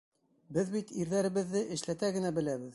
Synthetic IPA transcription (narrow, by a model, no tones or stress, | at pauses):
bɘðbit̪iɾðæɾɘ̆βɘ̆ðːɘʔɘ̆ʃlæt̪æɡɘ̆næbɘ̆læβɘð